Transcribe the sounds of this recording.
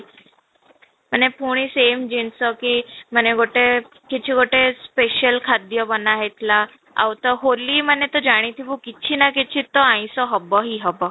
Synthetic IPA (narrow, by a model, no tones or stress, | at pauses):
m̤əɳːepuɽ̃isemd͡ʑinsəkim̤əneɡoʈe | kit͡ɕʰiɡoʈespeɕəlkʰad̪jəbənaɦet̪la | a̰wt̪əɦoliːmənːet̪əd͡ʑaɽ̃ĩt̪ʰibukit̪t͡ɕʰinakit͡ɕʰit̪ːɔãj̃sɔɦəbəɦiɦəbə